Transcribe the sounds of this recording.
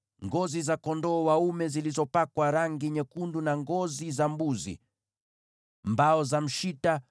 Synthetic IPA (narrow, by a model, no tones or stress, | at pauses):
ŋɡɔzizakɔndɔːwaumɛzilizɔpakwaɾaŋɡiɲɛkundunaŋɡɔzizambuzḭ | mbaɔzam̩ʃita